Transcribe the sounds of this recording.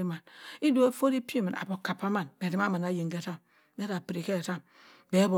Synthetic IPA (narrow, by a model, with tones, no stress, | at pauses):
i˦ma˨ni˦do˨e˦fo˦ɾi˦pi˦mi˨na̰˨bo˨ka˨pːa˦ma˦˨nbe˨di˨ma˦ma˨na˦ji˨ŋɡe˦˨ta˦˨m | be˦ɾa˨pɾi˨ke˦˨ta˦˨m | be˨˦bo˨